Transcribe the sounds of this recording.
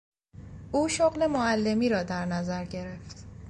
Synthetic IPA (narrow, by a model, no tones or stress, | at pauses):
ʔuːʃoɣle̞moælːe̞miːɾɒːd̪æɾnæzæɾɟe̞ɾeft̪